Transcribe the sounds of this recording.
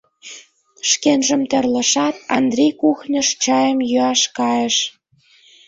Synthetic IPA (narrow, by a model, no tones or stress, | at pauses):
ʃkenʒə̆mt̪ĕrlə̆ʃɑt̪ɑnd̪rʲejkuxnʲə̆ʃt͡ɕɑjəmjyɑʃkɑjə̆ʃ